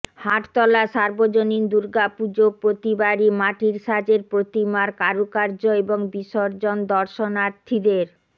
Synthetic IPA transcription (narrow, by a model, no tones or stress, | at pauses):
haʈt̪ɔlaʃaɾbod͡ʑonind̪uɾɡapud͡ʑopɾot̪ibaɾimaʈiɾʃad͡ʑeɾpɾot̪imaɾkaɾukaɾd͡ʑoeboŋbiʃoɾd͡ʑond̪ɔɾʃonaɾt̪ʰːid̪eɾ